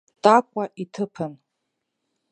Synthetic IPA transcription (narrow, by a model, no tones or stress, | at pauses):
tʼakʷʼaʔitʰɨpʰɨn